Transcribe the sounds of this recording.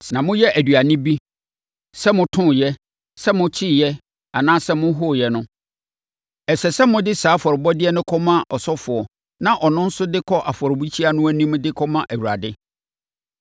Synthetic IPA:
nã˨mʊ̃˦jɛ˦ʔæ˨dɥa˨nɪ̃˦bi˦ | sɛ˦mʊ̃˦tʰʊ̃˦˨jɛ˦ | sɛ˦mʊ̃˦t͡ɕʰi˦jɛ˦ | a˨nãː˦sɛ˦mʊ̃˦ɦʊ˦˨jɛ˦nʊ̃˦ | ɛ˨sɛ˨sɛ˦mʊ̃˦dɪ˦saː˨˦fɔ˨ɾɪ˨bɔ˦dɪ˦ɛ˦nʊ̃˦kʰɔ˦mã˦ʔɔ˨sɔ˦fʊ˨ɔ˨ | nã˦ʔɔ˨nʊ̃˦n̩˦sʊ˦dɪ˦kʰɔ˦ʔa˨fɔ˨ɾbu˦t͡ɕʰi˦a˦nʊ̃˦æ˦nĩ˦m˦dɪ˦kʰɔ˦mã˦ʔæ˨wu˨a̰˨dɪ˦

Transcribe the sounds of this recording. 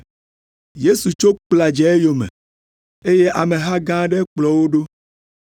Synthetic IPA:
je˦su˨t͡ʃo˦k͡pla˨d͡ʒɛ˨˦e˦jo˨mḛ˨ | e˦je˦ʔa˨mẽ˨ɦa˦ɡã˦ɖɛ˦k͡plɔ˨wo˦ɖo˦

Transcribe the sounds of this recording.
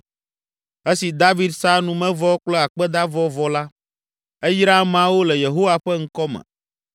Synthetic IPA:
e˦si˨d̪a˦vi˦d̪sa˦nũ˦mɛ̃˦vɔ˦k͡plɛ˦a˨k͡pɛ˦d̪a˦vɔ˦vɔ˨la˦ | e˦jɾa˦mã˦wo˦lɛ˨je˨ɦo˦wa˦ɸɛ˦ŋ̩˦kɔ˦mɛ̰̃˨

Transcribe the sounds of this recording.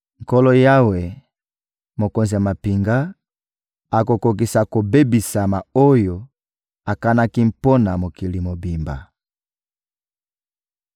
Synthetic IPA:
ŋ̩˨kɔ˦lɔ˦ja˦we˨ | mo˨ko˨nzi˨ja˨ma˨pi˨ŋɡa˦ | a˨ko˨ko˨k̬i˨sa˨ko˨be˦bi˨sa˨ma˨o˦jo˨ | a˨ka˦na˦ki˦m̩˦po˦na˨mo˨ki˨li˨mo˨bi˨mba̰˨

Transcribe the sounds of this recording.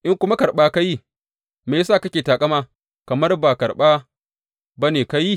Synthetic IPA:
ʔɪ˦ŋkʷʊ˦ma˦kɐ˨rɓaː˦ka˦ji˦ | meː˨saː˦˨kɐ˦kʲeː˨taː˨kʼɐ˦maː˦ | kɐ˨mɐ˦rbaː˨kɐ˨rɓaː˦ | ba˦neː˨ka˦ji˦˨

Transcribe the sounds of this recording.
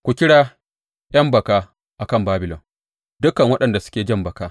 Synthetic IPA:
kʷu˨kʲɪ˦ɽaː˦ | ʔʲɐ˦mbɐ˨kaː˦ | ʔa˨kɐ˦˨mbaː˦bɪ˨lɔ̰˨m | dʊ˦kɐ˨ŋwɐ˦ɗɐ˨nda˨sʊ̥˦kʲeː˨d͡ʒɐ˦˨mbɐ˨kaː˦

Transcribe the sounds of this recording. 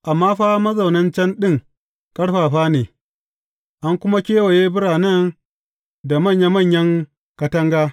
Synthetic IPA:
ʔa˨mːaː˦ɸaː˦mɐ˦zɐ˨wnɐ˦nt͡ʃɛ˦nɗɪ˦ŋ | kʼɐ˦ɽɸaː˨ɸaː˦neː˨ | ʔa˦ŋkʷʊ˦ma˦kʲeː˦wɐ˨jeː˦bʊ˦ɽaː˨nɐ˦n | da˨mɐ˦˨ɲja˦mɐ˦˨ɲjɐ˦ŋ | kɐ˦tɐ˦ŋɡaː˦

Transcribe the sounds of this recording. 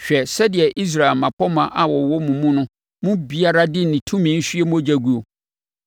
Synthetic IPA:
ɕᶣɛ˨sɛ˦dɪ˨ɛ˨ʔi˦s̬ɾa˨ɛ˨mã˨pʰɔ˦mã˨ʔa˨wɔ˨wɔ˦mũ˨mũ˦nʊ̃˦ | mʊ̃˦bi˦a˦ɾa˦dɪ˦nĩ˨tʰũ˦mĩ˨n̩˦ɕᶣɥe˦m̃˦o˦d͡ʑæ˦ɡu˦o˨

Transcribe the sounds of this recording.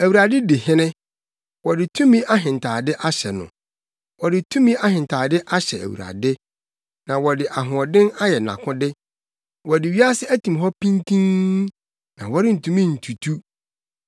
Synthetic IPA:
æ˨wu˨ɾa˨dɪ˦dɪ˨hɪ̃˦nɪ̃˦ | wɔ˨dɪ˨tʰũ˦mĩ˦a˦ɦɪ̃˨ntʰaː˨dɪ˦ʔa˦ɕɛ˨nʊ̰̃˨ | wɔ˨dɪ˨tʰũ˦mĩ˦a˦ɦɪ̃˨n˨tʰaː˨dɪ˦ʔa˦ɕɛ˨æ̰˨wṵ˨ɾa̰˨dɪ˦ | nã˨wɔ˨dɪ˨ʔa˨ɦʊ̃˨ɔ˨dɪ̃˦na˦jɛ˨nã̰˨kʰʊ̃˦dɪ˦ | wɔ˨dɪ˨ɥi˦a˦sɪ˦æ˦tʰĩ˨mɦɔ˦pʰĩ˦ntʰĩ˦ŋ | nã̰˨wɔ˦ɾɪ˦n̩˨tʰũ˦mĩ˦n̩˨tʰu˨tʰu˦

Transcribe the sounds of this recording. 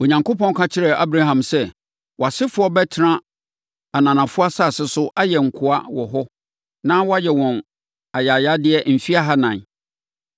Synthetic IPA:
o˨ɲã˨ŋkʰo˦pɔ̃˦n˦kʰã˦t͡ɕʰɪ˦ɾɛ˨ʔa̰˦bɾa˦ɦã˨msɛ˦ | wɔ˨a˨sɪ˦fʊ˨˦ɔ˦bɛ˦tʰɪ˨ɾã˦ | a˨nã˨nã˨fʊ˦a˦sa˦˨sɪ˦sʊ˦ʔa˦jɛ˨ŋ̩˨kʰʊ˦a˦wɔ˨ɦɔ˦ | nã˦wɔ˦a˦jɛ˨wɔ̃˨n | a˨ja˨ja˦dɪ˦ɛ˦m̩˨fi˦a˦ɦa˦nã˨n

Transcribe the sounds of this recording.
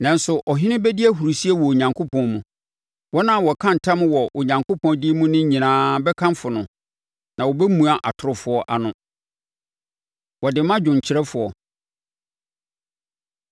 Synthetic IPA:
nã˨n̩˦sʊ˨ʔɔ˨ɦɪ̃˦nɪ̃˦bɛ˦dɪ˦æ˦ɦu˨ɾu˨si˦ɛ˦wɔ˨o˨ɲã˨ŋkʰo˦pʰɔ̃˦nmũ˨ | wɔ˦nã˨wɔ˨kʰã˦n̩˨tʰã˦m̃˦wɔ˨ʔo˨ɲã˨ŋkʰo˦pʰɔ̃˨n˦di˦mũ˦nɪ̃˦ɲĩ˨nãː˦bɛ˦kʰã˦m˦fʊ˨nʊ̃˨ | nã˨wɔ˨bɛ˦mũ˨a˦ʔa˨tʰʊ˨ɾʊ˨fʊ˨˦ɔ˦ʔa˨nʊ̃˦ | wɔ˨dɪ˨mã˦d͡ʑᶣʊ̃˨ɲ˨t͡ɕʰɪ˨ɾɛ˦fʊ˨ɔ˨

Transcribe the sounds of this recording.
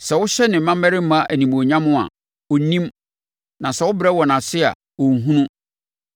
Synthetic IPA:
sɛ˨wʊ˦ɕɛ˦nɪ̃˨mã˦mɛ˦ɾɪ˦m̩˦mã˦ʔæ˨nĩ˨m˨o˨ɲã˦mʊ̃˦a̰˨ | ʊ˦nĩ˦m | nã˨sɛ˨wʊ˦bɾɛ˦wɔ˨nã˨sɪ˦a̰˨ | ʊ˨ŋ˨ɦũ˦nũ˦

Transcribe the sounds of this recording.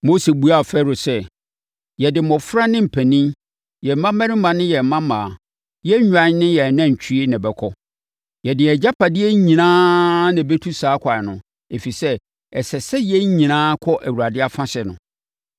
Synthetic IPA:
mo˦se˨bu˦a˦˨fɛ˦ɾʊ˨sɛ˦ | jɛ˨dɪ˨mɔ̃˨fɾa˦nɪ̃˦m̩˨pʰæ˨nĩ˦ | jɛ˨m̩˨mːã˦mɛ̃˦ɾɪ̃˦mã˨nɪ̃˦jɛ˨m̩˨mã˦mãː˨ | jɛ˦ɲᶣ˨ã˦n˦nɪ̃˦jɛ˨nã˦˨t͡ɕᶣʰi˦i˦nã˨bɛ˨kʰɔ˦ | jɛ˨dɪ̃˨ɛ˨d͡ʑa˦pʰa˨dɪ˦ɛ˦ɲĩ˨nãː˦nɪ̃˨bɛ˦tʰu˦saː˨˦kʰʷa˨nʊ̃˨ | e˨fi˨sɛ˦ | ɛ˨sɛ˨sɛ˦jɛ˦ɲĩ˨nãː˦kʰɔ˦ʔæ˨wu˨a˨dɪ˦a˦fã˦ɕɛ˨nʊ̰̃˨

